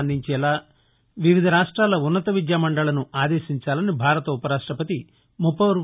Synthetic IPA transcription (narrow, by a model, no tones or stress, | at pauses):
nd̪ʱiɲt͡ʃɛːlaː | ʋiʋid̪ʱɐɾaːʂʈɾaːlɐunːɐt̪ɐʋid͡ʒ̪jaːmɐɳɖɐlɐnuaːd̪eːʃiɲt͡ʃaːlɐnibʱaːɾɐt̪ɐupɐɾaːʂʈɾɐpɐt̪i | mupɐɾ